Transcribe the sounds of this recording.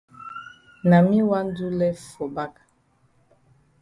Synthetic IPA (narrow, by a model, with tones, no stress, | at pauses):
na˨mi˦wa˦n˦du˦lɛ˦fo˨ba˦ka˨